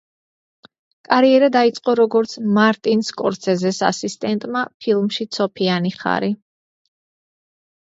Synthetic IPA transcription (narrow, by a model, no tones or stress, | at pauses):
kʼaɾiɛɾad̪ait̪sʼqʼɔɾɔɡɔɾt̪sʰmaɾt̪ʼinskʼɔɾt̪sʰɛzɛsa̰sist̪ʼɛnt̪ʼmapʰilˠmʃit̪sʰɔpʰianiχa̰ɾi